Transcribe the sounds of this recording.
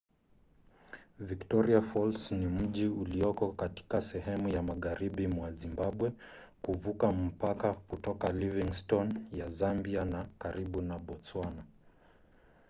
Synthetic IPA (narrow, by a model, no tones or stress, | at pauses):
viktɔɾiafɔlsnim̩ʄiuliɔkɔkati̥kasɛɦɛmujamaɣaɾiɓimwazimbaɓwɛ | kuvukam̩pakakutɔkaliviŋstɔnjazambianakaɾiɓunaɓɔt͡swana